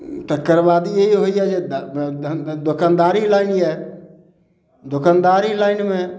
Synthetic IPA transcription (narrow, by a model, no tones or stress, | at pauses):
t̪əkːəɾʋaːd̪ieiɦoiɦɛd͡ʒeːd̪ | d̪ʊkand̪aːɾilaːɪniɦɛː | d̪ʊkaːnd̪aːɾilaːɪnmẽː